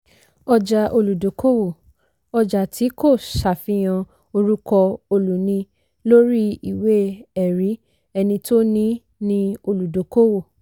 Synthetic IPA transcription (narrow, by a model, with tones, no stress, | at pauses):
ɔ˧d͡ʒa˧ʔo˧lu˨do˨˦kʰo˦wo˦˨ | ɔ˧d͡ʒa˨tʰi˨˦ko˦˨ʃa˨fĩ˨˦j̃ã˧ | o˧ɾu˦kɔ˧o˧lu˨nĩ˧ | lo˦ɾi˦i˨we˦ɛ˨ɾi˨˦ | ɛ˧nĩ˧to˦nĩ˦ | nĩ˧o˧lu˨do˨˦ko˦wo˦˨